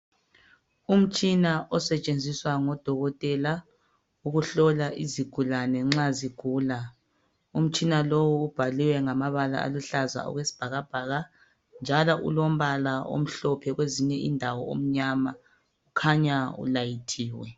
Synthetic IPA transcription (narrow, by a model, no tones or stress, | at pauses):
um̩t͡ʃʼinaʔɔsɛt͡ʃʼend͡zʱiswaŋɔd̥ʱɔɣɔtʼɛla | uɣuɬɔlaʔiziɡ̥ʱulanɛŋ͡ǁaziɡ̥ʱuːla | um̩t͡ʃʼinalowuːb̥ʱaliwɛŋamaβala̰a̰luɬaza̰ɔ̰ɣwesi̥b̥ʱaɣab̥ʱaːɣa | nd͡ʒʱalɔʔṵlom̩βalao̰m̩ɬɔpʰɛɣweziɲɛʔindʱawɔo̰m̩ɲama | ukʰaɲaṵlajitʰiːwɛ